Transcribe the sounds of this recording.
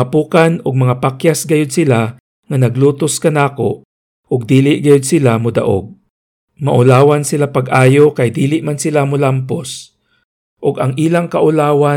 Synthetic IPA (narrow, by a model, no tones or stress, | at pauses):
ɐpuːkanʊɡ̚mɐŋapakjasɡɐjod̪̚sɪla | ŋɐnɐɡluːt̪oskɐnaːko | ʔʊɡ̚d̪iːlɪʔɡɐjod̪̚sɪlamʊd̪ɐ̰ʔo̰ɡ̚ | mɐʔʊlaːwansɪlapɐɡʔaːjokɐjd̪iːlɪʔmansɪlamʊlampos | ʔʊɡɐŋʔiːlaŋkɐʔʊlaːwa